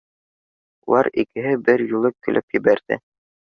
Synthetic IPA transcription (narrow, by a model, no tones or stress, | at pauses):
ṵlˠɑ̰ɾikɘ̆ɦɘbɘɾjulˠɤkːɵ̆lʔɘpjɘ̆βæɾðɘ̰